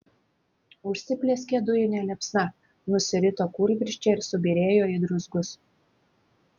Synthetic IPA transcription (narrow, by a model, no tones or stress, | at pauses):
ʊʃʲsʲɪpʲlʲeːsʲkʲeɛd̪ʊjɪnʲɛlʲɛpʲsnɐ | nʊsʲɪɾʲɪt̪oːkuːɾʲɡʲɾʲɪʃʲt͡ʃʲɛɪɾsʊbʲiːɾʲeːjoːɪd̪ɾʊzɡʊs